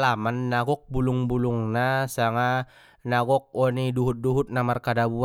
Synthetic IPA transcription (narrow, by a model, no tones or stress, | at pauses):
lamanːaɡɔk̚buluŋbuluŋnasaŋa | naɡɔk̚ɔniduɦut̪̚duɦut̪̚namarkadabu